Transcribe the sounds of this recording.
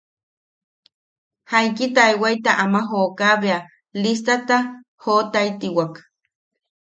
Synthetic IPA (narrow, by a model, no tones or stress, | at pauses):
hajkit̪ajwajt̪aʔamaɦoːkaβea | list̪at̪a | hot̪ajt̪iwak